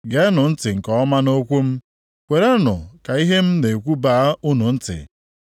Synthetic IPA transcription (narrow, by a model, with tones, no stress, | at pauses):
ɡe˨˦nʊ˨n̩˦tɪ˨ŋ̩˨kɔ˦ɔ˦ma˦no˦kʷu˦m̩˦ | kʷe˨ɾe˦nʊ̰˨ka˨i˦ɦe˦m̩˦ne˨kʷu˦baː˨˦u˦nu˨n̩˦tɪ̰˨